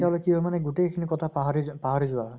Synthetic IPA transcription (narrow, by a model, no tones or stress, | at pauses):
tɦlojkiɔmanɛɡutekʰinikɔtʰapaɦaɹipaɦaɹizʊwa